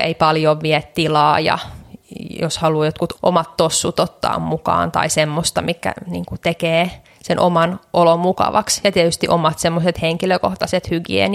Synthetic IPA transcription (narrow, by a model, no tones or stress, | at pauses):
ḛipɑljoʋʋiɛt̪t̪ilɑːjɑ̰ | joshɑluːjot̪kut̪ʔo̰mɑt̪tosːut̪ot̪ːɑ̰ːmmukɑ̰ːnt̪ɑ̰isemːost̪ɑmikːæ̰nḭːŋkut̪ekeː | senʔomɑnʔolomukɑ̰ʋɑ̰ksjɑt̪iɛt̪yst̪iʔomɑt̪semːoset̪heŋkiløkoht̪ɑset̪hyɡḭḛn